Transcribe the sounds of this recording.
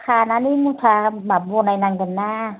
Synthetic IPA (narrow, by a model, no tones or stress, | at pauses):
kʰaːnanimut̪ʰamabonajnaŋɡənːaː